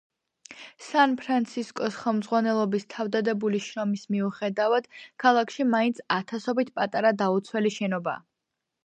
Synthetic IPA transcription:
sanpʰɾant̪sʰiskʼɔsχɛlˠmd̪zʁwanɛlˠɔbist̪ʰavd̪ad̪ɛbuliʃɾɔmismiuχɛd̪avad̪̥kʰalˠakʰʃimaint̪sʰat̪ʰasɔbit̪ʰpʼat̪ʼaɾad̪aut̪sʰwɛliʃɛnɔba̰ː

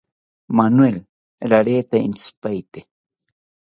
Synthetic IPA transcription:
manwel | ɾaɾeːt̪ainspajt̪e̥

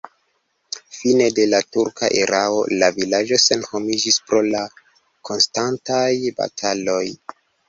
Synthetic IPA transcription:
fine̞de̞latuɾkʰa̰ʔeɾao̞̰lavilad͡ʒo̞se̞nho̞mid͡ʒispɾo̞la | kʰo̞nstantajba̰tʰalo̞j

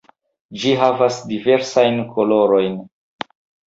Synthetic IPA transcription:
d͡ʒiɦavasdive̞ɾsajnkʰolo̞ɾo̞jn

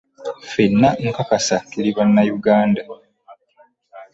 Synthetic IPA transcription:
finːaŋkakasakeliβanːajuɡaːnda

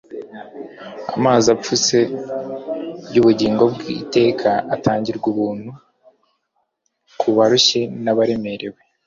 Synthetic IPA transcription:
amaːzap͡fuse̞ | juːβuɟiːŋɡo̞bɡḭte̞ːkʰaataːɲɟiɾɡuβuːn̥hu | kʰuβaɾuɕe̞naβaɾe̞me̞ɾe̞we̞

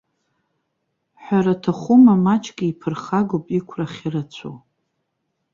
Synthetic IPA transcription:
ħʷᶣaɾatʰaχʷʊmamat͡ʃʰʼɡʲiipʰɨrχaɡopʼikʷʰraχʲirat͡ɕʷʰo̰

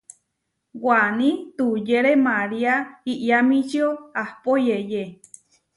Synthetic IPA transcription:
wanĩt̪ujeɾemaɾiaiʔjamĩt͡ʃioahpojeje

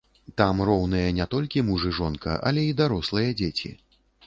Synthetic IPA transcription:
t̪amrɔwnɨjɐnʲɛt̪ɔlʲkʲimuʐɨʐɔnkɐ̰ʔɐ̰lʲɛid̪aɾɔslˠɐjɐd͡zʲet͡sʲḭ

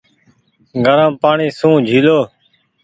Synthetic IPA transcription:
ɡʱəɾãːpaːɳiːsũːd͡ʒʱiːloː

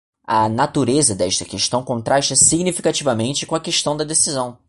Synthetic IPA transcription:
ɐnat̪uɾezɐd̪ɛʃt̪ɐkeʃt̪ɐ̃w̃kõnt̪ɾaʃt͡ʃɐsiɡnifikat͡ʃivɐmẽnt͡ʃɪkõɐkeʃt̪ɐ̃w̃d̪ɐd̪esizɐ̃w̃

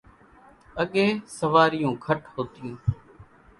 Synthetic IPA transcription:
əɠeːsəʋaːɾɪjũːkʰəʈhoːt̪ɪjũː

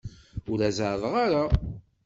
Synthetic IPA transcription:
ʊɾæzaʕðˤʁaɾa

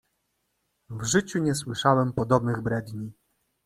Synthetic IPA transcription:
vʐɘt͡ɕuɲɛswɘʂawɛmpɔd̪ɔbnɘɣbɾɛd̪ɲi

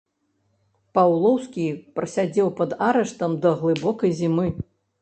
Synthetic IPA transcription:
pawlˠɔwskʲipɾɐsʲad͡zʲɛwpɐd̪aɾɛʂt̪ɐmd̪ɐɣlˠɨbɔkɐjzʲimɨ

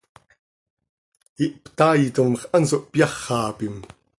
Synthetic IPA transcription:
iʔpt̪aːjit̪omχʔansoʔpjɑχːɑːpim

